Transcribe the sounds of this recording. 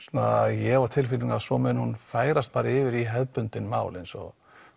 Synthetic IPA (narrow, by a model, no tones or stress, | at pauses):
snajɛvaɾt̪ʰɪlfiiŋaðsɔmɛnhunfaːjɾast̪̚paːɾaɪːvɪɾiɦɛðpʏnt̪ɪnma̰ːwlensɔ̰